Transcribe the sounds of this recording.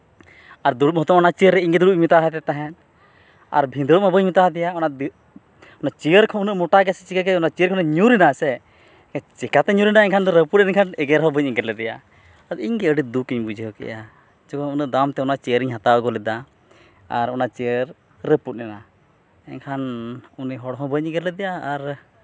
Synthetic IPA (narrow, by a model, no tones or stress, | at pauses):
aɾd̪uɽuʔ̚ɦɔt̪ɔmɔnat͡ʃiəɾːɛiɲɡɛd̪uɽuʔmit̪aɦɛt̪ɛt̪aɦɛn | a̰ɾbʱĩnd̪ɾumabəɲmit̪aɦd̪ɛjaɔnaʔd̪ | ɔnaʔt͡ʃijəɾkʰɔunəʔmɔʈaɡɛsɛt͡ʃikaɡɛɔnat͡ʃijəɾkʰɔnɛɲuɾinasɛ | ɛat͡ʃɛkat̪ɛɲuɾinaɛɲkʰand̪ɔɾəput̚ɛnɛkʰanɛɡɛɾɦɔbəɲiɡɛɾlɛd̪ɛja̰ | ad̪iɲɡɛəɖid̪ukiɲbud͡ʒiɦɔkɛ̰ʔa | d͡ʒukʰɔunəʔd̪amt̪ɛɔnaʔt͡ʃɛjəɾiɲɦat̪aəɡɔlɛd̪a | a̰ɾɔnat͡ʃiəɾ | ɾəput̚nɛna | ɛɲkʰanuniɦɔɽɔɦɔ̃bəɲ̚ɲiɡɛɾlɛd̪ɛjaːɾ